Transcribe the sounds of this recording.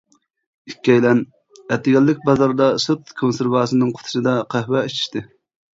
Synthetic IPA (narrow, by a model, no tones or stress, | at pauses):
ikʲːɛjlɛn | ɛt̪ːɪɡʲɛlːɪkʲbɑzɑɾd̪ɑsut̪kʰonseɾvɑːsɨnɨŋqʰo̥t̪ʰu̥ʃɨd̪ɑqʰæhwɛit͡ʃʰi̥ʃt̪ɪ